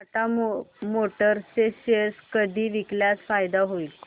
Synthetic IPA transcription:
at̪amomoʈəɾseɕeɾskəd̪ʱiːʋikljasfajd̪aɦoi

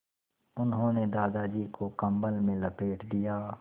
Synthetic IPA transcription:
ʊnɦõːned̪aːd̪ad͡ʒiːkokɐ̃mbəlmẽlɐpeːʈʰd̪ijaː

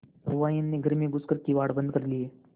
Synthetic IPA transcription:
ɾuʋajanːiːɡʱəɾmiːɡuskəɾk̪iːʋaɽbənd̪̚kəɾliːe

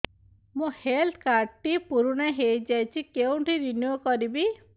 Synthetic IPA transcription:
mũhelt̪ʰkaɾʈipuɾuɽ̃aɦejd͡ʒajt͡ʃʰikeũʈʰiɾinjukɔɾibi

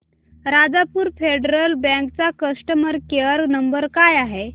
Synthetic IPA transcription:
ɾad͡zapuːɾfeɖəɾəlbɛ̃kt͡sakəsʈəməɾkeəɾnəmbəɾkajaɦe

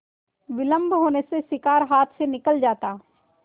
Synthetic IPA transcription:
ʋɪlə̃mbʱɦoːnesesɪkaːɾɦaːt̪ʰsenɪkəld͡ʒaːt̪aː

